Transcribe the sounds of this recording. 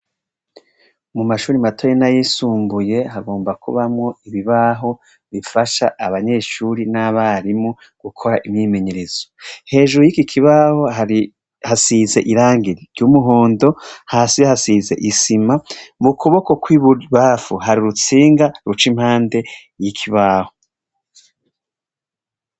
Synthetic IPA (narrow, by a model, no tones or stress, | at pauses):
mumaʃuːɾimatʰojenajisuːmbuje̞haɡo̞ːmbakʰṵβamŋo̞iβiβaɦo̞ | βifaʃa̰ʔːβaɲe̞ʃuɾinaβaɾimo | ɡ̥ukʰo̞ɾaʔimɲiːme̞ɲe̞ɾe̞z̥ohe̞ːʒuɾujikikʰiβaho̞i | hasize̞ʔiɾaːŋɡiɾiɾɟumuɦo̞ːndo̞haːsihasize̞̰ʔisimamukʰoβo̞ko̞kwiβuβaːfuɦaɾiɾut͡siːŋɡaɾut͡ʃim̥haːnde̞ | jikʰiβaːho̞